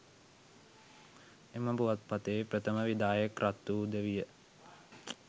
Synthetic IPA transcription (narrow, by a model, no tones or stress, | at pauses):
eməbuʋat̪̚pat̪eːpɾət̪əməʋid̪aːjəkrʔat̪ːuːd̪əʋijə